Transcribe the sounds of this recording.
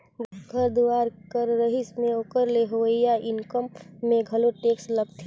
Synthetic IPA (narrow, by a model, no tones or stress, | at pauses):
ɡʱəɾd̪uwaːɾkəɾːəɦismẽoːkəɾleɦoɪjaʔɪnkəmːẽɡʱəloʈeːksʈləɡ̚t̪ʰ